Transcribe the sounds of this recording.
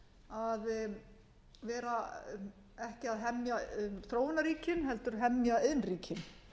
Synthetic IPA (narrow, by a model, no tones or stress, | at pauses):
að | vɛːɾa | ɛhcɪaðɦɛmjaθɾoːwnaɾiːcɪnɦɛlt̪ʏɾ̥ɦɛmjaɪðnriːcɪn